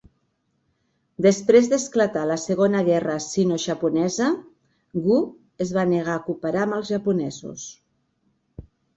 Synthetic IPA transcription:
d̪əspɾezðəsklət̪aləsəɣonəɣɛrəsinoʒəpunɛzə | ɣu | əzβanəɣ̞akupəɾaməlˠzʒəpunɛzṵs

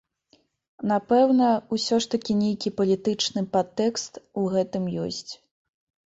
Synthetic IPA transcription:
napɛwnɐusʲɔʂt̪ɐkʲinʲejkʲipɐlʲit̪ɨt͡ʂnɨpat̪ːɛkst̪uɣɛt̪ɨmjɔ̰sʲt͡sʲ

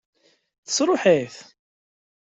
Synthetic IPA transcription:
θə̥sɾˤʊħiθ

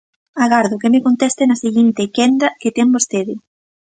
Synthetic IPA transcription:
aɣaɾðʊkemɪkont̪ɛst̪enɐseɣint̪ekɛnd̪ɐket̪ɛmbost̪eðɪ

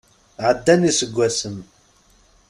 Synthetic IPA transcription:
ʕəd̪ːænisəɡʷːæsəm

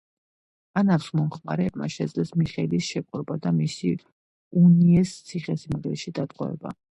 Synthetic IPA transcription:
anafsmɔmχmaɾɛbmaʃɛd̪zlɛsmiχɛlisʃɛkʼɾɔbad̪amisi | uniɛst̪sʰiχɛsimʁɛʃid̪at̪ʼqʼɔ̰ɛ̰ba̰

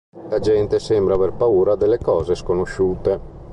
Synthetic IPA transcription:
lad͡ʒɛnt̪esɛmbɾaːverpauːɾad̪elːekɔːzeskonoʃuːt̪e

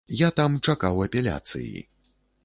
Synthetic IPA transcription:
jat̪amt͡ʂakawɐpʲɛlʲa̰t̪sɨ̰jḭ

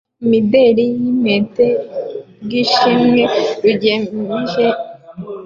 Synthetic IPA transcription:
imideɾijimete | ɡiʃimŋeɾuɟeiʒe

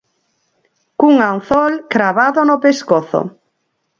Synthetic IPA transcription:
kuŋanθɔlkɾaβaðonopeskoθo̰

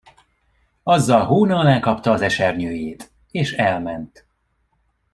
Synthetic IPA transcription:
ɒzːɒlɦoːnɒlaːkɒpt̪ɒːzɛʃɛrɲøːjeːt̪ | eːʃɛlmɛnt̪

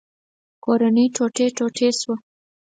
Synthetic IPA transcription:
koɾanəjʈ͡ʂoʈeʈoʈʰeswa

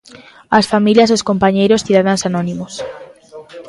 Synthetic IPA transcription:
asfamiljaseskompaɲejɾosθiðaðansanonĩmos

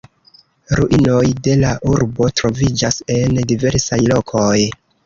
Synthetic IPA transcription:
ɾuʔino̞jde̞laʔuɾbo̞tɾo̞vid͡ʒase̞ndive̞ɾsajlo̞kʰoj

